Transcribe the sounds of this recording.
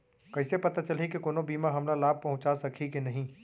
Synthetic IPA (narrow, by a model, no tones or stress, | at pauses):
kɐɪsepɐt̪at͡ʃɐlikekoːnõbiːmaɦɐmlalaːb̚pɐɦʊ̃t͡ʃasɐkʰikenɐɦĩː